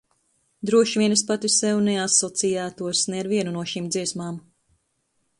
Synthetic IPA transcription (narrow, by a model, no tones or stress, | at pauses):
d̪ɾuɔʃvʲiɛnɨspat̪isɛwunɛasɔt̪sijæːt̪uɔsnɛːɾviɛnunuɔʃimd̪ziɛsmaːm